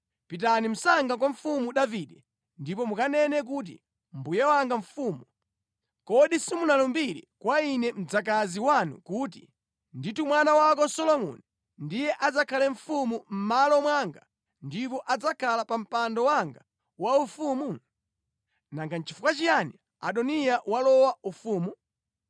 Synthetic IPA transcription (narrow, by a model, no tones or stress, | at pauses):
pit̬anim̩saŋɡakwaɱ̩fumuɗaviɗɛ | ndipɔmukanɛnɛk̬ut̬ḭ | mbujawaŋɡaɱ̩fuːmu | kɔɗisimunalɔmbiɾḭkwainɛm̩d͡zakaziwanṵkuːt̬ḭ | nditumwanawak̬ɔsɔlɔmṵni | ndijɛʔad͡zakʰalɛɱ̩fumum̩malɔmwaŋɡa | ndipɔʔad͡zakʰalapam̩pandɔwaŋɡa | waufumu | naŋɡant͡ʃi̥fukat͡ʃijani | a̰ɗɔnijawalɔwaufuːmu